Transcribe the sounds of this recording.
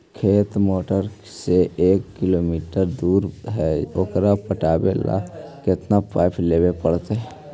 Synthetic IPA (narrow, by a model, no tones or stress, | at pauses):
kʰeːt̪moːʈəɾ | seʔeːkːilomiːʈəɾd̪uɾɦɛokɾapəʈaːbḛla̰kɪt̪napaɪpʰlebepəɽt̪eɛ